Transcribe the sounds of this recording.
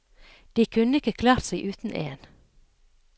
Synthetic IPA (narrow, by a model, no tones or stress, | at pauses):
d̪̥iːkʰʉnəɪkəkʰlɑːɾt̪sæɪʔʉːt̪n̩ʔḛːn